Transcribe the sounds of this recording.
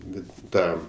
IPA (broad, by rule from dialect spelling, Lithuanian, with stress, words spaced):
ˈbʲɛt ˈtɑː